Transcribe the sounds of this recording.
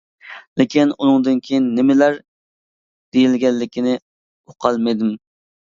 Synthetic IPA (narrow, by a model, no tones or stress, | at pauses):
lɪkʲinunɨŋd̪ɨnkʲʰejinːɪmɪlæɾ | d̪̥ejilɡʲɛlːɪkʲʰinɪ | oqʰɑlˠmed̪ɪm